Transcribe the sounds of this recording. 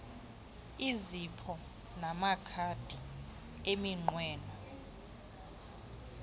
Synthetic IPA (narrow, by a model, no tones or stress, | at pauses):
izipʰɔ | namakʰad̥ʱi | emiŋ͡ǃwɛːnɔ